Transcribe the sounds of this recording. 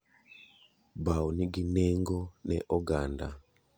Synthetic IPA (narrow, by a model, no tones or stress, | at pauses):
bauniɡinɛŋɡɔnɛʔɔɡanda̰